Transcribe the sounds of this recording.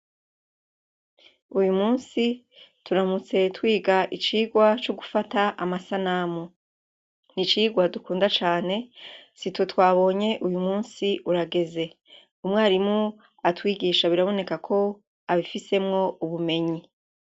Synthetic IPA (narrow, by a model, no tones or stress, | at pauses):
ujumuːnsi | tuɾamut͡se̞twiːɡaʔit͡ʃiːɡwat͡ʃoɡufataʔa̰masanamo | nit͡ʃiːɡwadukuːndat͡ʃaːne̞situtwaːβo̞ːɲe̞ʔujumuːnsiʔuɾaɡe̞ze̞ | umŋaːɾimŋu | atwiːɡiːʃaβiɾaβo̞ne̞kakʰo̞ | aβifise̞mŋo̞uβume̞ɲi